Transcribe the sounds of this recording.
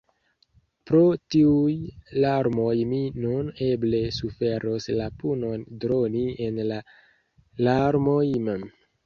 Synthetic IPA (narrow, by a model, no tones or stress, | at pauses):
pɾo̞tiujlaɾmo̞jminune̞ble̞sufe̞ɾoslapuno̞ndɾo̞nie̞nla | laɾmo̞jmem